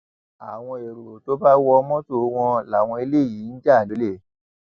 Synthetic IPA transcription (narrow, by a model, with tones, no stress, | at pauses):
a˨w̃ɔ̃˧e˨ɾu˨ɾo˨to˨˦ba˦wɔ˧mɔ̃˦to˦˨˦w̃ɔ̃˧la˨w̃ɔ̃˧e˧le˦˨ji˨˦n̩˦d͡ʒa˦˨do˨˦le˦˨